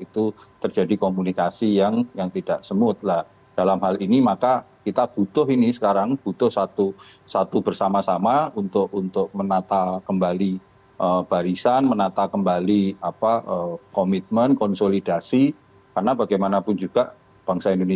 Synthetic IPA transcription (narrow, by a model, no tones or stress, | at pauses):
it̪ut̪ərd͡ʒadikomunikasijaŋjaŋt̪id̥aʔsəmʊt̪̚lah | d̥alamɦalʔinimakakit̪ab̥ut̪ʊɦinisə̥kaɾaŋb̥ut̪ʊhsat̪u | sat̪ubərsamasamaunt̪ʊkunt̪ʊk̚mənat̪akəmbali | ʔəb̥aɾisanmənat̪akəmbaliapaʔəkomit̪̚mənkɔnsolidasi | karnabaɡajmanapʊnd͡ʒuɡ̥aʔ | b̥aŋsaindone